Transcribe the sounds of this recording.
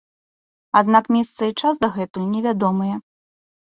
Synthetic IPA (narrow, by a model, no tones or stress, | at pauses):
ad̪nakmʲɛst̪sɐit͡ʂasd̪ɐɣɛt̪ulʲnʲɛvʲad̪ɔmɨjɛ